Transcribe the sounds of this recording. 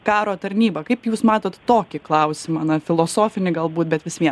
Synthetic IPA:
kɑːɾoːt̪ɐɾʲnʲiːbɐkɐɪpjuːsmɑːt̪oːt̪t̪oːkʲɪklˠɐʊsʲɪmɐːnɐfʲɪlˠoːsoːfʲɪnʲɪɡɐlˠbuːt̪̚bʲɛt̪ʋʲɪsʋʲiɛ

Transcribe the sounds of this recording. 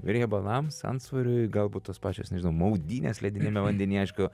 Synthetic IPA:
ʋʲɪɾʲjʲɛbɐlˠɐmsɐ̰nsʋɐɾʲʊɪɡɐlˠbuːt̪oːspɑːt͡ʃʲoːsnʲɛʒʲɪnɐʊmɐʊd̪ʲiːnʲḛːslʲɛd̪ʲɪnʲɪmʲɛʋɐnʲd̪ʲɛnʲiːɐɪʃkʊ

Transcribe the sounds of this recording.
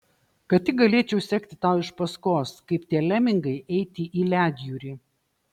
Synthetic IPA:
kɐtt̪ʲːɪk̚ɡɐlʲeːt͡ʃʲɛʊsʲɛkt̪ʲɪt̪ɑˑʊɪʃpɐskoːskɐɪpt̪ʲiɛlʲɛmʲɪŋɡɐɪʔɛɪt̪ʲɪʔiːlʲæːd̪ʲjuːɾʲiː

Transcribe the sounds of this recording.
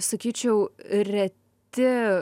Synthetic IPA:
sɐkʲiːt͡ʃʲɛʊɾʲɛ | t̪ʲɪ

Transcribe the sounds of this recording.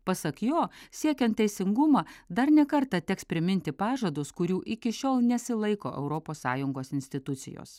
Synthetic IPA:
pɐsɐkjoːsʲiɛkʲɛnt̪̚t̪ʲɛɪsʲɪŋɡʊmɑːd̪ɐɾnʲɛkɐɾt̪ɐt̪ʲɛkspʲɾʲɪmʲɪnʲt̪ʲɪpɑːʒɐd̪ʊskʊɾʲuːʔɪkʲɪʃʲoːlˠnʲɛsʲɪlˠɐɪkoːʔɛ̰ʊɾoːpoːsːɑ̰ːjʊŋɡoːsɪnʲsʲt̪ʲɪt̪ʊt̪sʲɪ̰jo̰ːs

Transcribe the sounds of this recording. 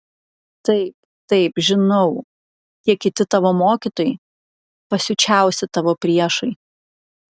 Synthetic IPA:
t̪ɐɪp̚ | t̪ɐɪpʒʲɪnɐʊ | t̪ʲiɛkʲɪt̪ʲɪt̪ɑːʋoːmoːkʲɪt̪oːjɪ | pɐsʲʊt͡ʃʲæˑʊsʲɪt̪ɑːʋoːpʲɾʲiɛʃɐɪ

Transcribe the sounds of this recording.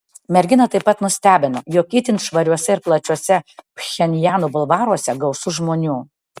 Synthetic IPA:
mʲɛɾʲɡʲɪnɐt̪ɐɪpːɐt̪nʊsʲt̪ʲæːbʲɪnojoːkʲiːt̪ʲɪnʲʃʋɐɾʲuɔsʲɛɪɾplˠɐt͡ʃʲuɔsʲɛpʲxʲɛnʲjæːnuːbʊlˠʋɑːɾuɔsʲɛɡɐʊsʊʒmoːnʲuː

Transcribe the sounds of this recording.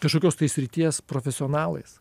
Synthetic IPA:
kɐʃkoːkʲoːst̪ɐɪsʲɾʲɪt̪ʲiɛspɾoːfʲɛsʲɪɔːnɑːlˠɐ̰ɪs

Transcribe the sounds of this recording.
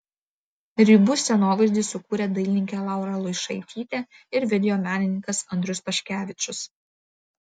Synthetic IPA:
ɾʲibʊsʲɛnoːʋɐɪʒʲd̪ʲiːsʊkuːɾʲeːd̪ɐɪlʲnʲɪŋʲkʲelˠɑˑʊɾɐlˠʊɪʃɐɪt̪ʲʰiːt̪ʲeːɪɾʋʲɪd̪ʲɛjoːmʲæːnʲɪnʲɪŋkɐsɐnd̪ʲɾʲʊspɐʃʲkʲæːʋʲɪt͡ʃʲʊs

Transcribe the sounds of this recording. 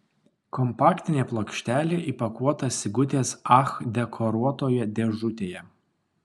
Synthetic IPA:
kɔmpɑːkt̪ʲɪnʲeːplˠokʃʲt̪ʲæːlʲeːʔiˑpɐkuɔt̪ɐsʲɪɡʊt̪ʲeːsɑxd̪ʲɛkʰɔɾuɔt̪oːjɛd̪ʲɛʒʊt̪ʲeːjɛ

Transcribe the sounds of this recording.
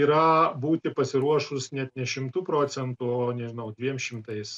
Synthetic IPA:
iːɾɐbuːt̪ʲɪpɐsʲɪɾuɔʃʊsnʲɛt̪nʲɛʃʲɪmt̪uːpɾoːt͡s̪ʲɛnt̪ʊoːnʲɛʒʲɪnɐʊd̪ʲʋʲiɛmʃʲɪmt̪ɐɪs

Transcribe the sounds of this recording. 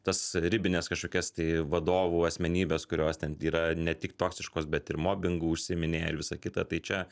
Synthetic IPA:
t̪ɐsɾʲɪbʲɪnʲeːskɐʃkoːkʲɛst̪ɐɪʋɐd̪oːʋuːɐsʲmʲɛnʲiːbʲeːskʊɾʲoːst̪ʲɛniːɾɐnʲɛt̪ʲɪkt̪oːksʲɪʃkoːsbʲɛt̪ɪɾmoːbʲɪŋɡuʊʃʲsʲɪmʲɪnʲeːɪɾʋʲɪsɐkʲɪt̪ɐt̪ɐɪt͡ʃʲɛ

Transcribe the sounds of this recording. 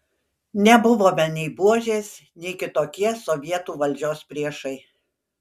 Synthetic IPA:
nʲɛbʊʋoːmʲɛnʲɛɪbuɔʒʲeːsnʲɛɪkʲɪt̪oːkʲiɛsoʋʲiɛt̪uːʋɐlʲd͡ʒʲoːspʲɾʲiɛʃɐɪ

